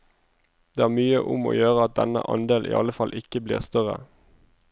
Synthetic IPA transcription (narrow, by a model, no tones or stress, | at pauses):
d̪̥eːæːʁmyːəʔʊmo̰ːjøːʁəɑt̪̚d̪ɛnə̰ʔɑ̰nd̪eːlʔḭːɑ̰ləfɑlʔɪkəblḭːʁst̪œʁə̰